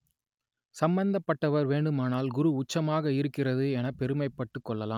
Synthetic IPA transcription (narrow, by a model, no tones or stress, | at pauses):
sɐmbɐnd̪ɐpːɐʈːɐʋɐɾʋeːɳɖɯmaːnaːlɡʊɾuʊt͡ʃːɐmaːɣɐɪɾɯkːɪrɐðɯɛnɐpɛɾɯmɐɪpːɐʈːɯkːɔɭːɐlaːm